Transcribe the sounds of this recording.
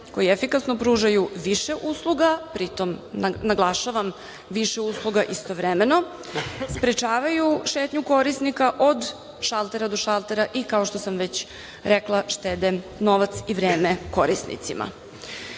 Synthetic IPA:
ko̞jiefikasnopɾuːʒajuʋiʃeʔuːslˠuɡapɾit̪o̞mnaɡlˠaʃaʋam | ʋiʃeuslˠuɡaʔist̪o̞ʋɾemeno̞ | spɾet͡ʃaːʋajuʃe̞ːt̪ɲuko̞ɾisnikaʔo̞d̪ | ʃalˠt̪e̞ɾad̪o̞ʃalˠt̪eɾaʔikao̞ʃt̪o̞samʋet͡ɕ | ɾeklˠaʃt̪ed̪eno̞ʋat̪siʋɾeːmeko̞ɾisnḭt̪sḭmʔa̰

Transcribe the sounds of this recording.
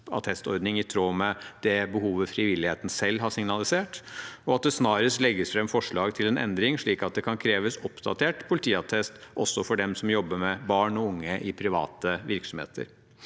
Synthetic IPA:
ɑ̰t̪ʰɛst̪ɔ̰ɾd̪nɪŋɪt̪ʰɾoːmɛd̪̥ɛbəɦuːʋəfɾɪʋɪlːɪheːt̪n̩sɛlːɦɑʂɪŋnɑlˠɪseːʈɔɑt̪̚d̪ɛsnɑːɾəslɛɡːəsfɾɛmfɔʂɭɑːɡt̪ʰɪlɛnʔɛ̰nd̪ɾɪŋʂɭiːkɑt̪̚d̪ɛkʰɑnkʰɾeːʋəsɔpd̪ɑ̰t̪ʰeːʈpʰʊlɪt̪ʰiːɑt̪ʰɛst̪ʔɔsːɔfɔɖɛmsɔmjɔbːəmɛbɑːɳɔʊŋːəʔɪpʰɾɪʋɑ̰ːt̪əʋɪɾksɔmhḛːt̪ʰə̰ɾ

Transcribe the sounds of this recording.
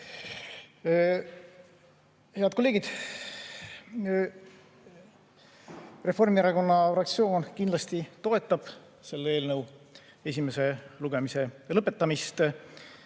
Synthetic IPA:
he̞ɑd̪̚kole̞ːɡid̪̥ | re̞fo̞rmieɾɑko̞nːɑfrɑkt̪sio̞ːnkind̪lɑst̪it̪o̞e̞t̪ˑːɑb̥ | se̞lːeeːlnɤw | e̞s̬ʲime̞se̞luɡ̥emise̞lɤpːˑe̞t̪ːɑmist̪

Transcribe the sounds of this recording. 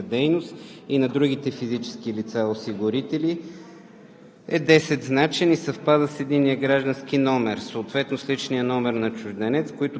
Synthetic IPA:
d̪ɛjnost̪inɐd̪ɾuɡit̪ɛfizit͡ʃɛ̥skilit̪saosiɡʊɾit̪ɛli | ɛd̪ɛsɛt̪znat͡ʃɛnisɐfpad̪əsɛd̪inːijəɡɾaʒd̪ənskinɔmɛɾsoːt̪vɛt̪noslit͡ʃnijənɔmɛɾnɐt͡ʃʊʒd̪ɛnɛt̪skoit̪ʊ

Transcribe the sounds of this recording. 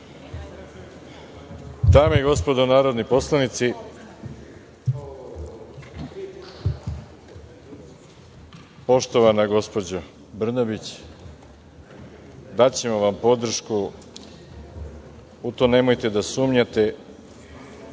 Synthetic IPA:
d̪aːmojiɡo̞spo̞d̪o̞naːɾod̪nipo̞slˠanit̪si | po̞ʃt̪o̞ʋanaɡo̞spo̞d͡ʑo | br̩nabit͡ɕ | d̪at͡ɕe̞moʋampo̞d̪r̩ʃku | ut̪one̞mo̞jt̪e̞d̪asuːmɲat̪e̞

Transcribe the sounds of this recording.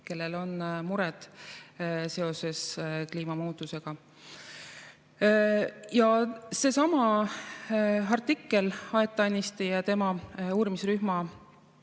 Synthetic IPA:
ke̞lːe̞lo̞nmuɾɛd̪̥ | se̞o̞se̞skliːmɑmuːt̪ːˑuse̞ɡ̥ɑ | jɑse̞sɑmɑ | ɑrt̪ːikːe̞lɑet̪ˑːɑnʲːist̪ijɑt̪e̞mɑuːɾimisryhmɑ

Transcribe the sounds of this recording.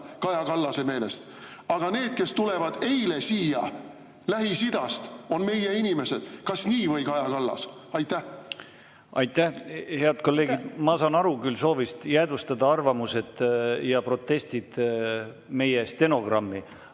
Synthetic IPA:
kɑjɑkɑlːɑseme̞ːle̞st̪ | ɑɡ̥ɑne̞ːd̪̥̚ke̞st̪ule̞vɑd̪̥e̞jle̞siːjɑ̰ | læɦisid̪̥ɑst̪o̞nme̞jeinime̞se̞d̪̥kɑsniːvɤjkɑjɑkɑlːɑ̰sɑjt̪ːˑæ | ɑ̰jt̪ːæhhe̞ɑd̪̥̚ko̞lːe̞ːɡ̥id̪̥mɑsɑːnɑɾukylso̞ːvist̪jæːd̪ust̪ɑd̪̥ɑɑrvɑmuse̞d̪̥jɑpro̞t̪ːˑe̞st̪id̪̥ | me̞jest̪e̞no̞ɡ̥rɑmːi

